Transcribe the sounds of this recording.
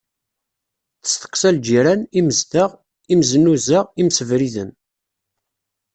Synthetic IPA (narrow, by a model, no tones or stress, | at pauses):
θə̥st̪ə̥qːsæld͡ʒiɾæniməzd̪əʁ | imzənːuzəʁimsəvɾiðən